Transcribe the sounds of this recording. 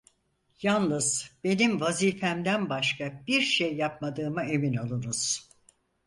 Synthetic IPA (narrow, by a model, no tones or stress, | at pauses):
janlnɯz̥be̞nimvaziːfæmd̪ænbaʃkʰab̥iɾʃejːap̚mad̪ɯːmae̞minalˠɯnuz̥